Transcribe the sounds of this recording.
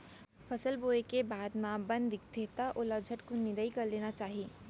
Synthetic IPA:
pʰəsəlboekebaːd̪mãbə̃nd̪ɪkt̪ʰet̪aʔoləd͡ʒʱəʈ̪konid̪əikəɾleːnat͡ʃaːɦi

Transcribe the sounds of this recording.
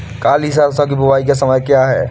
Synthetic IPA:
kaːlɦɪs̬aːɾsãk̬ibʊwaːikasɐməjkjaːɦɛː

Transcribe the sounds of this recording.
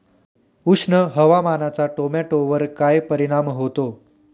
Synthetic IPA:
ukʂnəɦəʋamanat͡saʈomeʈoʋəɾkajpəɾiɽ̃amɦot̪o

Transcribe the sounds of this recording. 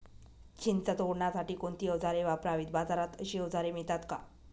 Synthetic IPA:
t͡ɕint͡sət̪oɽɳasaʈiːkoɳt̪iəʋd͡zaɾeʋapɾaʋiːt̪̚bad͡zaɾat̪əɕiːəʋd͡zaɾemit̪at̪ka̰

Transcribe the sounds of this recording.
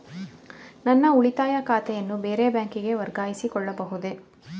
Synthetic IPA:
nɐnːɐuɭit̪aːjɐkaːt̪ɛjɐnːube̞ːɾebjaːŋkiɡe̞ʋɐɾɡaːjisikɔɭːɐbɐɦud̪e̞

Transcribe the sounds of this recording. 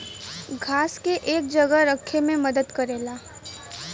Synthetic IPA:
ɡʱaːskeʔeːk̚d͡ʒɐɡaɾəkʰːemẽməd̪əd̪kɐɾeːlaː

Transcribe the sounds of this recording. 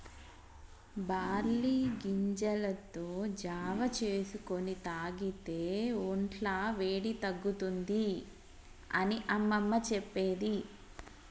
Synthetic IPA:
baːɾliːɡiɲd͡ʒɐlɐt̪oːd͡ʒaːʋɐt͡ʃeːsuko̞nit̪aːɡit̪e̞ːoɳʈlaːʋe̞ːɽit̪ɐɡːut̪und̪i | ɐ̰niʔɐmːɐmːɐt͡ʃɛpːeːd̪i

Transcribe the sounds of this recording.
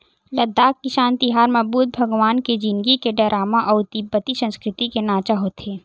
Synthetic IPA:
lɐd̪ːaːkːiʃaːnt̪iɦaːɾmɐbuːt̪̚bʱɐɡʋaːnked͡ʒinɡikeɖɐɾʔaːmaʔɔːʊt̪ibːət̪isə̃nskɾɪt̪ikenaːt͡ʃaɦot̪ʰeː

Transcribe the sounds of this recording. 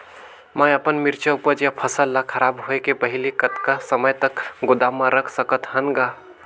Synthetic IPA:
mãjəpənmɪɾt͡ʃʰaupət͡ʃjapʰəsəlːakʰəɾaːbɦoekepəɦɪlikət̪kasəməjt̪əkɡʊd̪amːãɾəkʰsəkət̪ɦənɡa

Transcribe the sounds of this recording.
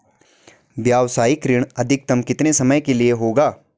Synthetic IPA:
bjaːʋsaːikɾɪɽ̃ɐd̪ʱɪk̚t̪ɐmkɪt̪nesɐməjkelieɦoːɡaː

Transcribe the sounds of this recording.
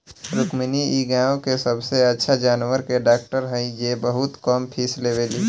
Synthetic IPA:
ɾʊkminiiɡãːõkesəbseətːʃʰad͡ʒaːnwəɾkeɖaːk̚ʈəɾɦə̃ĩd͡ʒebəɦʊt̪kɔmpʰiːsleʋeːli

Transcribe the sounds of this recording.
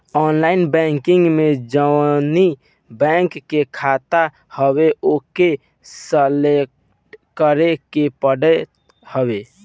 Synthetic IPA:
ɔnlaɪnbɛ̃ŋkiŋɡmed͡ʒəni | bɛŋkːekʰat̪a | həweʔoke | səlek | ʈkəɾekepəɽɛ | həbe

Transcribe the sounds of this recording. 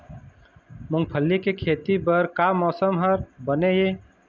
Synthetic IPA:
mʊŋɡ̚pʰəlːikekʰeːt̪ibəɾkamɔːsəmɦəɾbəneje

